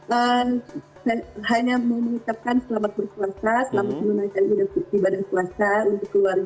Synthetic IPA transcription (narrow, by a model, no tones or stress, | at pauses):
ʔə | sajhaɲaməməŋit̪ap̚kansəlamat̪̚bərkuasasəlamat̪̚məmənaikanudaibadankuasaunt̪ʊkːəluarɡa